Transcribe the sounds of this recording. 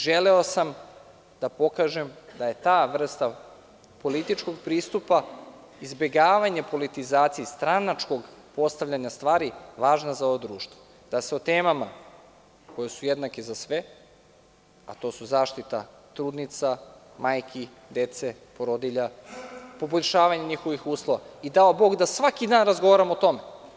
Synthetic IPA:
ʒeleo̞sam | d̪apo̞kaːʒemd̪aje̞t̪aːʋr̩st̪a | po̞lit̪it͡ʃko̞ɡpɾiːst̪upa | izbe̞ɡaːʋaɲepo̞lit̪izaːt̪sijist̪ɾanat͡ʃko̞ɡpo̞st̪aʋʎʲaɲast̪ʋaːɾiʋaːʒnazao̞ʋod̪ɾuːʃt̪vo | d̪̥aseot̪eːmama | ko̞jesujed̪nakizasʋe | at̪osuzaːʃt̪it̪a̰ | t̪ɾuːd̪nit̪sa | maːjkʰi | d̪et̪se | poɾod̪iʎapo̞boʎʲʃaːʋaɲeɲixoʋixuːslˠo̞ʋaid̪aobo̞ɡd̪asʋakid̪aːnɾazɡoʋaɾamo̞t̪o̞me

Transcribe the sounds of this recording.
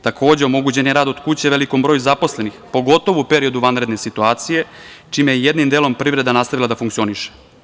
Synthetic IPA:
t̪akʰo̞ːd͡ʑeo̞mo̞ɡut͡ɕe̞njeɾaːd̪o̞d̪kut͡ɕe̞ʋe̞liko̞mbɾojuzapo̞sle̞nixpo̞ɡo̞t̪o̞ʋuupe̞ɾio̞d̪uʋanvɾe̞d̪nesit̪uaːt̪sije̞t͡ʃiːmejejed̪nimd̪elo̞mpɾivɾe̞d̪anaːst̪aʋilad̪afuŋkt̪io̞niʃe̥

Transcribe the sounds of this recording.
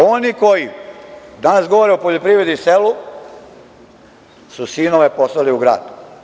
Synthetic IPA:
oniko̞jid̪anasɡo̞ʋoɾeupoʎopɾiʋɾed̪iselu | susinoʋe̞poslaliuɡɾa̰ːd̪u

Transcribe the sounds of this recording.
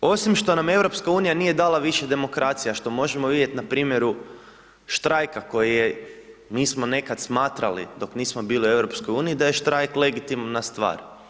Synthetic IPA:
o̞simʃt̪o̞name̞wɾo̞pskauːnijaniːje̞d̪aːlˠaʋiʃed̪e̞mo̞kɾat̪sijaʃt̪o̞mo̞ʒemoʋid̪ʲje̞t̪napɾiːmje̞ɾu | ʃt̪ɾajkako̞jijemiːsmo̞ne̞kad̪smaːt̪ɾalḭd̪o̞kniːsmo̞biːliue̞wɾopsko̞juːniid̪ajeʃt̪ɾajkleɡit̪imanːast̪ʋa̰ːɾ

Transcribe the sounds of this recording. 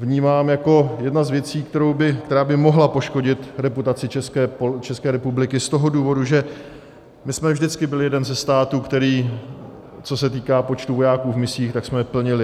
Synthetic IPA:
vɲiːmaːmjako̞jɛdnazvjɛt͡siːkt̪ɛɾo̞wbɪkt̪ɛɾaːbɪmo̞ɦlapo̞ʃko̞ɟɪt̪ɾɛput̪at͡sɪt͡ʃɛskɛpot͡ʃɛskɛːɾɛpublɪkɪst̪o̞ɦo̞duːvo̞duʒɛ | mɪsmɛvʒdɪt͡skɪbɪlɪjɛdɛnzɛst̪aːt̪uːkt̪ɛɾiː | t͡so̞sɛt̪̬iːkaːpo̞t͡ʃt̪uvo̞jaːkuːvmɪsiːxt̪aksmɛpl̩ɲɪlɪ

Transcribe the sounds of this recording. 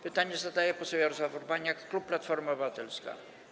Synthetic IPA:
pɘt̪aɲɛzad̪ajɛpɔsɔbʲjɛɔɾɔzwafɔɾbaɲjakːluppːlat̪fɔɾmabvat̪ɛlska̰

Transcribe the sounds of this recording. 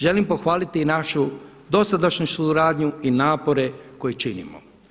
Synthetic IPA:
ʒe̞limpo̞xʋaːlit̪inaʃu | d̪o̞sad̪aʃɲusuɾaːd̪ɲuinaːpo̞ɾe̞ko̞jet͡ʃinḭmo̰

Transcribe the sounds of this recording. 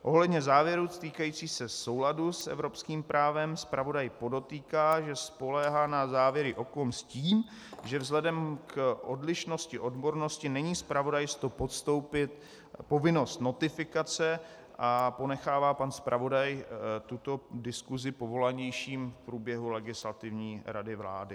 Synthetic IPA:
ʔo̞ɦlɛdɲɛzaːvjɛɾut̪iːkajiːt͡siːsɛso̞wladusɛ̰vɾo̞pskiːmpɾʔaːvɛmspɾʔavo̞dajpo̞do̞t̪iːkaːʒɛspo̞lɛːɦaːnazaːvjɛɾɪʔo̞komsciːm | ʒɛvzlɛdɛmkʔodlɪʃno̞scɪʔo̞dbo̞ɾno̞scɪnɛɲiːspɾavo̞dajst̪opot̪st̪owpɪt̪̚ | po̞vɪno̞st̪no̞t̪ɪfɪkat͡sɛ | ʔapo̞nɛxaːvaːpanspɾʔavo̞dajt̪ut̪o̞dɪskuzɪpovo̞laɲɛjʃiːmfpɾuːbjɛɦulɛɡɪslat̪ɪvɲiːɾadɪvla̰ːdɪ

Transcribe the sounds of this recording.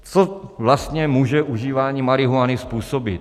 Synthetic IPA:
t͡sovlast̪ɲɛmuːʒɛʔuʒiːvaːɲiːmaɾɪɦuanɪspuːsobɪt̪

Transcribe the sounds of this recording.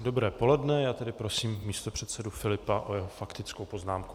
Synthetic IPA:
do̞bɾɛːpo̞lɛdnɛjaːt̪ɛdɪpɾo̞siːmmiːst̪opr̥ɛt̪sɛdufɪlɪpaʔojɛɦofakt̪ɪt͡skowpo̞znaːmku̥

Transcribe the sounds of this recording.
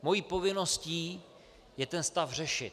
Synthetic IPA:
mo̞jiːpo̞vɪno̞sciː | jɛt̪ɛnst̪afr̝ɛʃɪt̪

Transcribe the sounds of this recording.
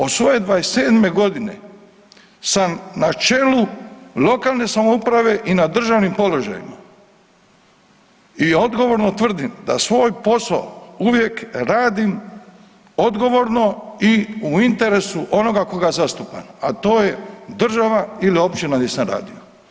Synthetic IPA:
osʋo̞je̞d̪ʋaeseːd̪me̞ɡo̞d̪ine̞̰ | samnat͡ʃe̞lulo̞kaːlˠne̞samoupɾaʋe̞ʔinad̪r̩ʒaʋnimpo̞lo̞ʒa̰jḭma̰ | iod̪ɡo̞ʋo̞ɾno̞t̪ʋr̩d̪imd̪a̰sʋo̞ːjpo̞sa̰ouʋje̞kɾaːd̪im | o̞d̪ɡo̞ʋo̞ɾno̞iuint̪e̞ɾe̞suʔo̞no̞ɡako̞ɡaezast̪upa̰nat̪o̞ːjed̪r̩ʒaʋailio̞pt͡ʃinanjesamɾa̰ːd̪io

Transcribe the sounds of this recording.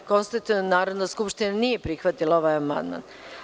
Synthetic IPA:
ko̞nst̪at̪uenaːɾod̪naskupʃt̪inanije̞pɾixʋat̪ilao̞ʋajama̰nd̪ma̰n

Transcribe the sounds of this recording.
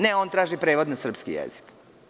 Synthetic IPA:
neo̞ːnt̪ɾaːʒipɾeːʋod̪nasr̩pskḭjɛ̰z̥i̥k

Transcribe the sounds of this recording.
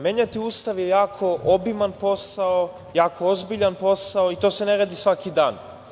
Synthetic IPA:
meɲat̪iuːst̪aʋjejaːkʰo̞ʔobimanpo̞sao | jaːkʰoozbiʎanpo̞saoit̪oːse̞neɾad̪isʋakid̪aːn

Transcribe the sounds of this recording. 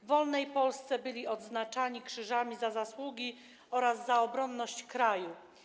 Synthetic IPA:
vɔlnɛjpɔlst̪sɛbɘlʲiɔd̪znat͡ʂaɲikʂɘʐamʲizazaswuɡʲi | ɔɾazːaɔbɾɔnːɔɕt͡ɕkɾaju

